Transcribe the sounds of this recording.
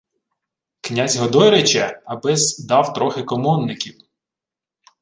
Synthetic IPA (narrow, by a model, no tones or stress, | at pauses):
knʲazʲɦɔd̪ɔjɾɪt͡ʃɛɐbɪzd̪ɑwt̪ɾɔxɪkɔmɔnːɪkʲiw